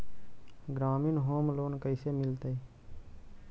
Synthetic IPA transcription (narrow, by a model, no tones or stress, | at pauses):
ɡɾaːminɦoːmloːnkəɪsemɪlt̪e